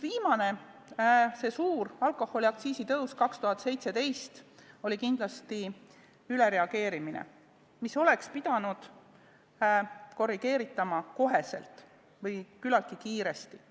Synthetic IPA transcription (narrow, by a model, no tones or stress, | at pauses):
viːmɑne̞ | se̞suːrɑlko̞hːo̞lʲiɑk̚t̪siːsit̪ɤwskɑkst̪uɦɑt̪ːˑse̞jt̪se̞t̪e̞jst̪o̞lʲikind̪̥lɑst̪i | yle̞ɾe̞ɑɡ̥e̞ːɾiminḛ | miso̞le̞kspid̪ɑnud̪̥ | ko̞rːiɡ̥e̞ːɾit̪ːˑɑmɑko̞ɦe̞se̞̰lt̪ˑ | vɤjkylɑlkːikiːɾe̞st̪i